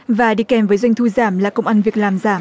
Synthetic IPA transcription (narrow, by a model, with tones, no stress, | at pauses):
vaː˨˩ɗḭ˧˨kɛ˨˦mvəː˨˦jzwa˧jŋ̟t̪ʰu˧zaː˧˩mlaː˨˩kə˧wŋ͡mʔaː˧nvi˨˩ək̚laː˨˩mzaː˧˩m